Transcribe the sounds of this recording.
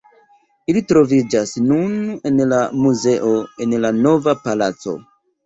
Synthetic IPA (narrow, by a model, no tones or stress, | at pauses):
ilitɾo̞vid͡ʒasnune̞nlamuze̞ʔo̞e̞nlano̞vapalat͡so̞̰